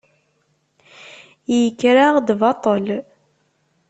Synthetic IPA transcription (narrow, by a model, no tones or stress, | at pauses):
jəkːɾaʁd̪vɑt̪ˤəl